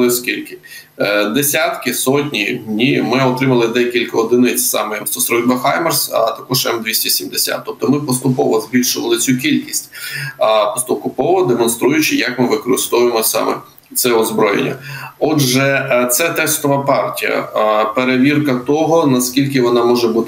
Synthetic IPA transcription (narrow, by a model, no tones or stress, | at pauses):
ɪskʲilʲkɪ | d̪esʲat̪kɪsɔtʲnʲidʲnʲimɪɔt̪ɾɪmɐlˠɪd̪ɛkʲilʲkɐɔd̪ɪnɪt͡sʲsɑ̰mɛjɐmst̪ɔsɾɔbɐxajmɛrsɐ̰t̪ɐkɔʒt̪amd̪ʲʋʲisʲtʲisʲimd̪esʲa̰t̪ːɔp̚t̪ɔmɪpɔst̪ʊpɔʋɔzbʲilʲʃʊʋɐlˠɪt͡sʲukʲilʲkʲisʲtʲ | pɔst̪ʊkʊpɔʋɔd̪emɔnst̪ɾujʊt͡ʃɪjɐkmɪʋɪkɔɾɪst̪ɔʋʊjemɔsɑ̰mɛ̰ | t̪sɛɔzbɾɔjḛnʲːɐ̰ɔʒɛt̪sɛt̪ɛst̪ɔʋɐpɑrtʲijɐ̰peɾeʋʲirkɐt̪ɔɦɔnɐskʲilʲkɪʋɔnɑmɔʒɛbut̪ɪ